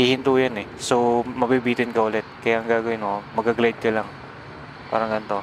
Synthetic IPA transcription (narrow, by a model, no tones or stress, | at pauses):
hiːhɪnt̪uːjanɛsomɐbibiːt̪ɪnkɐʔʊlɛt̪̚kɐjaʔɐŋɡaːɡɐwɪnomɐɡaɡlajd̪̚kɐlaŋ | pa̰ːɾɐŋɡɐnt̪o̞